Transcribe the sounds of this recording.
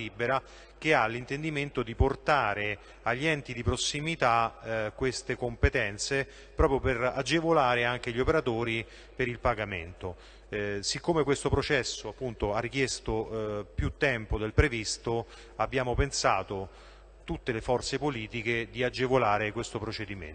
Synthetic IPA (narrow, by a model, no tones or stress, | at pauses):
ibːeɾa | k̟ealːint̪end̪iment̪od̪iport̪aːɾe | aʎːiɛnt̪id̪ipɾosːimit̪akwest̪ekompet̪ɛnt̪se | pɾɔːpɾjopera̰d͡ʒevolaːɾeaŋk̟eʎːiopeɾat̪oːɾi | peɾilpaɡamḛnt̪o | sikːomekwest̪opɾot͡ʃɛsːoapːunt̪oarːik̟jest̪opjut̪ːɛmpod̪elpɾevist̪o | abːjaːmopensaːt̪o | t̪ut̪ːelefɔrt̪sepoliːt̪iked̪iad͡ʒːevolaːɾekwest̪opɾot͡ʃed̪imḛn